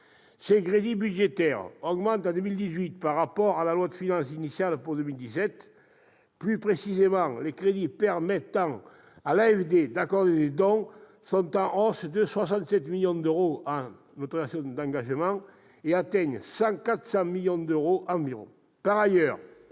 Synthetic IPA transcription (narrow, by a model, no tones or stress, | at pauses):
sekʁed̪ibyd̪ʒet̪ɛʁɔɡmɑ̃nt̪ãd̪əmild̪izɥit̪paʁːapɔʁalalwat̪finɑ̃sinisjalpuʁd̪ømild̪isɛt̪ | plypχesizemɑ̃ŋlekχed̪ipɛʁmɛt̪ɑ̃ | alaɛfd̪ed̪akɔʁd̪eled̪ɔ̃ | sɔ̃nt̪ɑ̃ʔɔsd̪əswas̬ɑ̃nt̪sɛt̪miljɔ̃d̪øʁoa | nɔt̪χənasjɔ̃d̪ɑ̃ŋɡaʒəmɑ̃ | eat̪ɛɲsɑ̃ŋkat̪χə̥sɑ̃miljɔ̃d̪øʁoʔɑ̃viʁɔ̰̃ | paʁajœʁ